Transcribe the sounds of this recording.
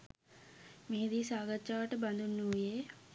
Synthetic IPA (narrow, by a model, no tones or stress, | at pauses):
meɦed̪iːsaːɡatːʃaːʋəʈəband̪unːuuje